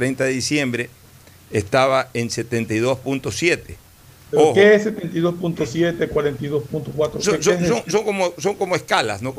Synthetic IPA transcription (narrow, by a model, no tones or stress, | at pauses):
t̪ɾejnt̪aðeðisje̞mbɾeː | st̪aβaense̞t̪ent̪ajðo̞spunt̪osje̞t̪e | eokeeset̪ent̪iðospunt̪osjet̪ekwaɾent̪ajðospunt̪okwat̪ɾosonsoesoŋsoŋko̞moso̞ŋko̞moeskalasnok